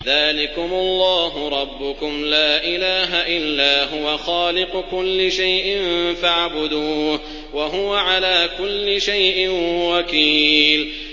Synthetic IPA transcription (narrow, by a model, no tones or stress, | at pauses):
ðaːlɪkʊmʊlˤːɑːɦʊɾˤɑbːʊkʊmlaːʔɪlaːɦaʔɪlːaːɦʊwaxɑːlɪqʊkʊlːɪʃajʔɪmfaʕbʊd̪uːh | waɦʊwaʕalaːkʊlːɪʃajʔɪnwakiːl